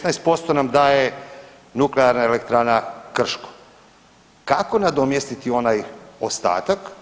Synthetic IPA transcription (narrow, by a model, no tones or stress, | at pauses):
naest̪̚po̞st̪o̞namd̪aːje | nukleaɾnaele̞kt̪ɾanakr̩ʃko̥ | kako̞nad̪omjest̪it̪io̞najost̪a̰ːt̪ak